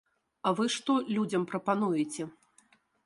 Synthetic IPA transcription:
ɐvɨʂt̪ɔlʲud͡zʲɐmpɾɐpanujɛt͡sʲɛ

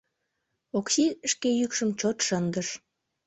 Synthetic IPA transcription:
oksiʃkejykʃəmt͡ɕot̪ʃənd̪əʃ

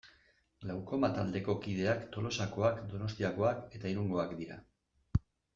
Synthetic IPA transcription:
lawɾko̞mat̪ald̪e̞ko̞kið̞e̞akt̪o̞lo̞sako̞akd̪o̞no̞st̪iako̞ake̞t̪aiɾuŋɡo̞akd̪iɾa̰

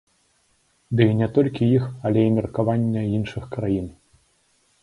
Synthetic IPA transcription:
d̪ɨinʲɛt̪ɔlʲkʲijixɐlʲɛimʲɛrkavanʲːɐinʂɨxkɾajin

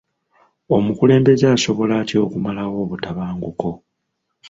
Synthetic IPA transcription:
o̞mukule̞ːmbe̞zeaso̞βo̞laːtio̞ːkumalawo̞ːβutaβaːŋɡuko̞

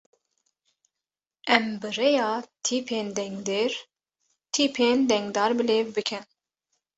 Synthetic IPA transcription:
ɛmbɨrejɑːt̪ʰiːpʰeːnd̪ɛŋɡd̪eːɾ | t̪ʰiːpʰeːnd̪ɛŋɡd̪ɑːɾbɨleːvbɨkʰɨn

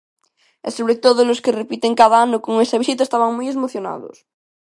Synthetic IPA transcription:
esoβɾet̪oðoloskerepit̪eŋkaðaanokoŋesaβisit̪aest̪aβaŋmujezmoθjona̰ðo̰s

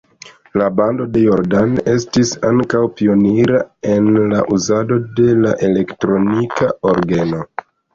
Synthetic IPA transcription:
labando̞de̞jo̞ɾdane̞stisaŋkawpio̞niɾae̞nlaʔuzado̞de̞laʔe̞le̞ktɾo̞nikaoɾɡe̞no̞

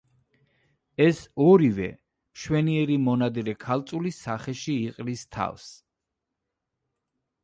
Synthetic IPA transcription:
ɛsɔɾivɛ̰ | ʃwɛniɛɾimɔnad̪ɛɾɛkʰalˠt̪sʼulisaχɛʃiːqʼlist̪ʰa̰vs

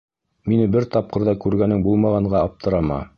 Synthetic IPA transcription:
minɘbɘɾt̪ɑp̚qɤ̆ɾðɑkʉɾɡænɘŋbulˠmɑʁɑɴɢɑɑp̚t̪ʰɤ̆ɾɑmɑ̰

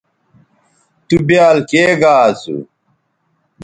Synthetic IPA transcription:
t̪ubjaːlkeːɡaːsṵ

